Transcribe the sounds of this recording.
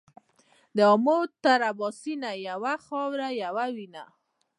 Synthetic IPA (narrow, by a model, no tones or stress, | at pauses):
d̪əɔmot̪aɾabɔsinajawaxɔwɾajawawina̰